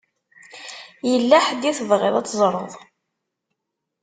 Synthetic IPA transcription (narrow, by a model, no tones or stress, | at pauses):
jəlːaħəd̪iθvʁḛðˤɑt͡sːzˤɾˤəðˤ